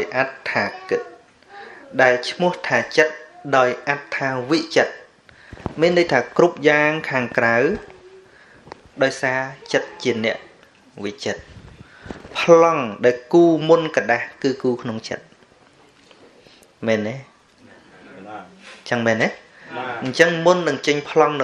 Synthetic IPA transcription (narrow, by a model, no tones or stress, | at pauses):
jʔat̪ʰːaːkɨt̪̚ | ɗaɛlt͡ɕʰmʊ̆əht̪ʰaːt͡ɕət̪̚ɗaɔjʔat̪ʰːaːʋiʔt͡ɕət̪̚ | miənːəjt̪ʰaːkrup̚jaːŋkʰaːŋkraw | ɗaɔjsaːt͡ɕət̪̚t͡ɕiənɛ̆əʔ | ʋiʔt͡ɕət̪̚ | pʰlɑŋɗaɛlkuːmunkaɗahkɨːkuːkʰnoŋt͡ɕə̰t̪̚ | mɛːnːeː | t͡ɕəŋmɛːneː | ɲt͡ɕəŋmunːɨŋt͡ɕəɲpʰlɑŋnɨ